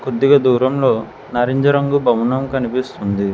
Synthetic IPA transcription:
kod̪ːiɡɐd̪uːɾɐmlo̞ː | nɐɾeɲd͡ʒɐɾɐŋɡubʱɐmunɐmkɐnipist̪und̪i

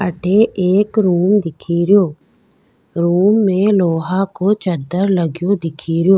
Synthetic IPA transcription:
əʈʰeʔeːkɾuːmd̪ɪkʰiːɾɪjoː | ɾuːmːẽloːɦakoːt͡ʃəd̪əɾləɡjõd̪ɪkʰiːɾɪjoː

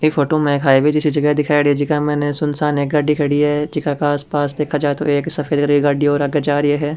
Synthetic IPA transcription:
efoːʈomɛ̃kʰaːibʱid͡ʒɪsid͡ʒɐɡɛɦd̪ɪkʰaːjɽied͡ʒɪkamɛːnesʊnsaːneːk̚ɡɐɖikʰɐɽiɦɛd͡ʒɪkakaaːspaːsd̪eːkʰad͡ʒaːet̪o̰eːksɐfʰeːd̪kɐɾiɡɐɖiɔːɾɐɡət͡ʃaːɾjeɦɛː

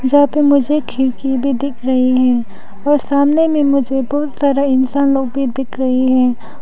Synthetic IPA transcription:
d͡ʒapemʊd͡ʒʱekʰɪlkibʱid̪ɪkʰɾɐɦiɦɛ̃ː | ɔːɾsaːmnemẽmʊd͡ʒʱebɔɦʊt̪saːɾaɪnsaːnloːɡbʱid̪ɪkʰɾɐɦeɦɛ̃ː

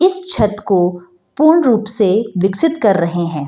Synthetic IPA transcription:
ɪst͡ʃʰɐt̪ko | puːɾɳɾuːpseʋɪksɪt̪kɐɾːɐɦeɦɛ̃ː

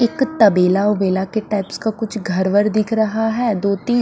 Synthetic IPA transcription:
ɪkt̪ɐbeːlaobeːlakeʈaːɪpskakʊt͡ʃʰɡʱɐɾʋəɾd̪ɪkʰɾɐɦaɦɛːd̪oːt̪ĩː

